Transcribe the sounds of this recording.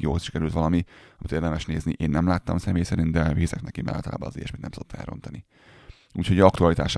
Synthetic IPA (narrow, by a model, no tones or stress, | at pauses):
jo̰ːosʃi̥kɛɾylt̪ʋɒlɒmiɒmit̪eːrd̪ɛmɛʃneːzniʔeːnːɛmlaːt̪ːɒmsɛmeːjsɛɾint̪d̪ɛviːzɛknɛkimɛ̰la̰ːt̪ɒla̰ːbɒ̰nːɒ̰zḛjɛ̰ʃmeːt̪nɛmsod̪ot̪ːɛ̰lɾo̞̰nt̪ɒni | uːcʰho̞ɟɒkt̪uɒlit̪aːʃ